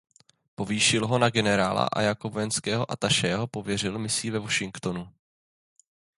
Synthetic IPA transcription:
po̞viːʃɪlɦo̞naɡɛnɛɾaːla̰ʔa̰jakobovɛnskɛːɦo̞ʔat̪aʃɛːɦopo̞vjɛr̝ɪlmɪsiːvɛvo̞ʃɪŋkt̪o̞nu

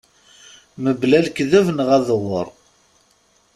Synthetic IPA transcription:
məblælkðævnʁæðəwə̰ɾˤ

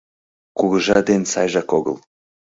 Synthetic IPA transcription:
kuɣəʒɑd̪ensɑjʒɑkoɡə̰lˠ

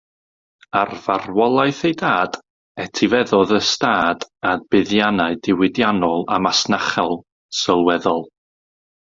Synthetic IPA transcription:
arvarwɔlˠajθejdaːd̥ | ɛtʰivɛðɔðəstaːd̥adb̥ɪðjanaɨdɪwɪdjanɔlˠa̰masnaχɛlˠ | səlˠwɛðɔlˠ

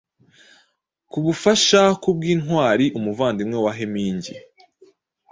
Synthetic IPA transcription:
kuβufaʃakub̚ɡiːnhwaːɾiʔumuvaːndimŋewaɦemiːɲɟi

